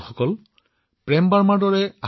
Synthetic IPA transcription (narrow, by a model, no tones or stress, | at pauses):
xɔkɔl | pɹɛmbaɹmaɹdɔɹɛa